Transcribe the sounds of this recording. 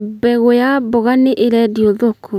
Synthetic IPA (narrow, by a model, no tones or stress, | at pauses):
bɛɣojabɔɣaneʔeɾɛdioðokʰo